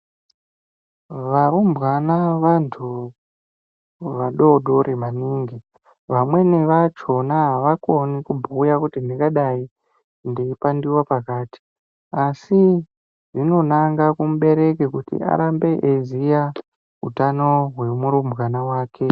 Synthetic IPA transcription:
ʋaumbɣanaʋantʰu | ʋaɗo̞ɗo̞ɾʔemaniːŋɡi | ʋamwe̞neʋat͡ʃo̞naɦaʋako̞nikubʱujakutindikaɗai | ndiipandiwapakaːti̥ | asi | ʐino̞naŋɡakumuɓe̞ɾe̞kekutḭʔa̰ɾambe̞ʔezija | ṵtano̞ɦwe̞muɾumbɣanawaːke̞

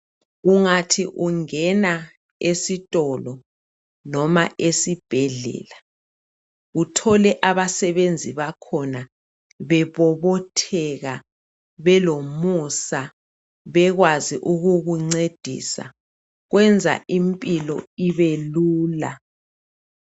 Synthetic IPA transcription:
uŋatʰiʔuŋɛna | esitʼɔlɔ | nɔma̰ʔesib̥ʱɛɮɛ̰ːla | utʰɔlɛʔaβasɛβend͡zʱiβakʰɔna | βɛβɔβɔtʰɛɣa | βɛlomusa | βɛɣwaziʔuɣuɣuŋ͡ǀed̥ʱḭsa̰ | ɣwɛnd͡zʱa̰ʔimpʼilɔ̰iβeluːla̰

